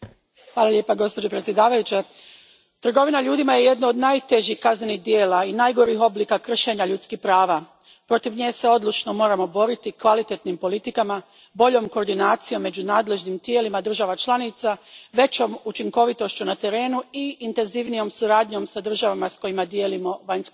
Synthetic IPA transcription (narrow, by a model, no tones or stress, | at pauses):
xʋaːlˠaʎʲje̞ːpaɡo̞spo̞d͡ʑo̞pɾe̞t̪sje̞d̪aːʋajut͡ɕe | t̪r̩ɡo̞ʋinaʎuːd̪imaje̞je̞d̪nood̪naːjt̪e̞ʒihkaznenixd̪jeːlainajɡo̞ɾixo̞blikakr̩ʃe̞ɲaʎut̪skihpɾaːʋa | pɾo̞t̪iʋɲeːse̞o̞d̪lˠut͡ʃno̞mo̞ːɾamo̞bo̞ɾit̪ikʋalit̪e̞t̪nimpo̞lit̪ikama | bo̞ʎo̞ːmkoːɾd̪inaːt̪sijo̞mːe̞d͡ʑunaːd̪le̞ʒnimt̪je̞ːlimad̪r̩ʒaʋat͡ʃlˠanit̪saʋe̞t͡ɕo̞mut͡ʃiŋko̞ʋit̪o̞ʃt͡ɕunat̪e̞ɾe̞ːnuiːnt̪e̞nziʋnijo̞msuɾaːd̪ɲo̞msad̪r̩ʒaʋamasko̞jimad̪jelimo̞ʋaɲsk